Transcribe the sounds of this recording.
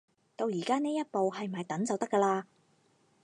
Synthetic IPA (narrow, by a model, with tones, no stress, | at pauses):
t̪o˧wjiː˨˩kaː˥neː˥jɐ˥t̚po˨wɦɐ˨jm̩˨ɐ˨jt̪ɐ˨˥nt͡sɐ˨wt̪ɐ˥kːəː˧laː˧